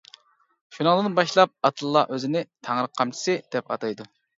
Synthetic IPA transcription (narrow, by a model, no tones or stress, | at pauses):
ʃunɨŋd̪ɨnbɑʃlˠɑp̚ɑt̪ʰɨlˠːɑ̰ʔøzɪnɪt̪ʰæŋɾəqʰːɑmt͡ʃʰi̥sɨd̪̥ɛpɑ̰t̪ɑjd̪u